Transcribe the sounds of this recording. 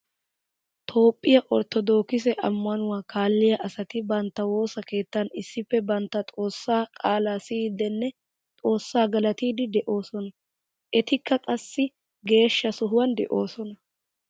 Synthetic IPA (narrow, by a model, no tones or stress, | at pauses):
t̪ʰo̞ːpʼːɪjɐʔɔɾt̪ɔd̪o̞ːkɪs̬ɛʔɐmːɐnʊwaːkaːlːɪjɐʔɐsɐt̪ɪbɐnt̪ːɐwo̞ːsɐke̞ːt̪ːɐnɪsːɪpːɛbɐnt̪ːɐt̪ʼo̞ːsːaːkʼaːlaːsid̪ɛnːɛ | t̪ʼo̞ːsːaːɡɐlɐt̪iːd̪ɪd̪ɛʔo̞ːsɔnɐ | ʔɛt̪ɪkːɐkʼɐsːɪ | ɡe̞ːʃːɐsɔɦʊwɐnd̪ɛ̰ʔo̞ːsɔnɐ